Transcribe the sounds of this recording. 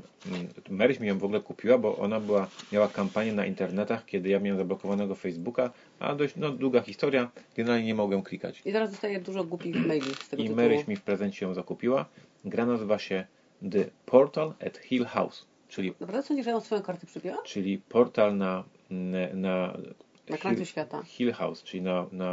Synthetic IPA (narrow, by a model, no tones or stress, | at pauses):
mɛɾɘt͡ɕmʲijɔ̃w̃vɔɡulɛkupʲiwabɔ̰ʔɔ̰nabɘwamʲjawakampaɲjɛnaʔint̪ɛɾnɛt̪axkʲɛd̪ɘjamʲawɛmzablɔkɔvanɛɡɔfɛjzbuka | ʔa̰d̪ɔɕt͡ɕnɔd̪wuɡaxʲist̪ɔɾʲjaɡɛnɛɾalɲɛɲɛmɔɡɛmklʲika̰t͡ɕit̪ɛɾazd̪ɔst̪ajɛd̪uʐɔɡwupʲimɛjlufst̪ɛɡimɛɾɘt͡ɕmʲifpɾɛzɛɲt͡ɕɛjɔ̃w̃zakupʲiwa | ɡɾanazɘvaɕɛ | d̪ɛpʰɔɾt̪alɛ̰t̪xʲilxa̰ws | t͡ʂɘlʲid̪ɔpɾavd̪ɛsɔ̃ɲd͡ʑiʐaɔ̃sfɔjɔ̃w̃kaɾt̪ɛpʂɨpʲiwat͡ʂɘlʲipʰɔɾt̪alna | na | nakɾasɕfʲjat̪a̰xʲilxa̰wst͡ʂɘlʲinana